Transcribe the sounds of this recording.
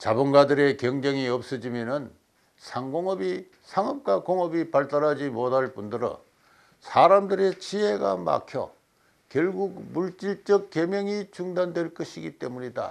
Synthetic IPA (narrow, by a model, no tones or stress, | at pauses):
t͡ɕabunɡadɯɾe̞kjʌŋd͡ʑeŋiʌp̚s͈ɯd͡ʑimjʌnɯn | sʰaŋɡoŋʌbi | sʰaŋʌp̚k͈wakoŋʌbipaɭt͈aɾɦad͡ʑimodaɭp͈undɯɾʌ̰ | sʰaɾamdɯɾe̞t͡ɕʰiɦe̞ɡa̰ma̰kʰjʌ̰ | kjʌɭɡuɡmuɭt͡ɕ͈iɭt͡ɕ͈ʌk̚k͈ːe̞mjʌŋit͡ɕuŋdandwe̞ɭk͈ʌɕʰiɡit͈e̞muɲida̰